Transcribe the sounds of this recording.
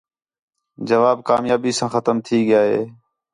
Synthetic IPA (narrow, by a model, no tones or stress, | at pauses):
d͡ʒəʋaːb̚kaːmjaːbiːsãːxət̪əmt̪ʰiːɡɪjaːɦḛː